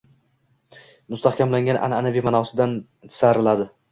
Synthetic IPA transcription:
mʊst̪ahkʲamlaŋɡʲanʔa̰nanavijmanɒsɪd̪anʰ | ɪ̥saɾɪlad̪ɪ

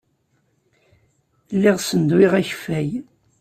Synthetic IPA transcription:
lːiʁsənd̪wɪʁæçfæj

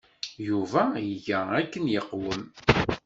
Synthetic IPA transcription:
juvæjəʝæækːənjəqːwəm

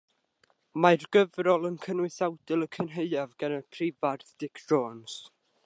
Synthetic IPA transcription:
marɡəvrɔlˠənkʰənʊɨsawdɪlˠəkʰənɦeɨavɡanəpʰrɪvarθd̥ɪkʰd̥ɹoːns

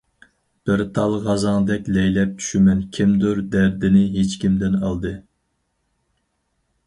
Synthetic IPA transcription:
b̥ɪɾt̪ʰɑlˠʁɑzɑŋd̪ɛkʲlɛjlɛp̚t͡ʃʰy̥ʃymɛnkʲʰimd̪ʊɾd̪æɾd̪ɪnɪɦet͡ʃkʲimd̪ɪnɑlˠd̪ɨ

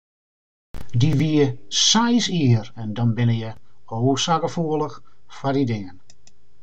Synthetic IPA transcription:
diʋiəsajsiərɛndɔnbɪnəjəoːrsaːkəfuələxfadidɪŋən

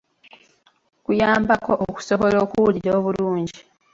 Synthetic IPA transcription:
kujaːmbako̞ʔoku̥so̞βo̞lo̞ːkuwuliɾo̞ːβuluːɲɟi

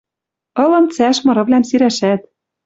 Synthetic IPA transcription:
ɤ̆lɤ̆nt͡sæʃmɤ̆ɾɤ̆βlʲæmsiɾæʃæt̪̚

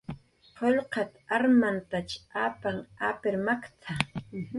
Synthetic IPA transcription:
qoʎqɑt̪aɾmant̪at͡ʃaːpaŋapɪɾmakt̪ʰa

